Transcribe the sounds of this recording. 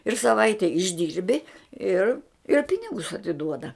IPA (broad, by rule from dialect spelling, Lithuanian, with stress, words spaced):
ɪr sɐˈʋɐɪtʲɛ ɪʒʲˈdʲiːrʲbʲɪ ˈɪr ɪr ˈpʲɪnʲɪɡʊs ɐtʲɪˈduɔdɐ